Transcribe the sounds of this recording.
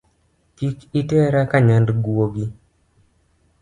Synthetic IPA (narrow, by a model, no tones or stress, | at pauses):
tikitɛɾakaɲandɡuoɡi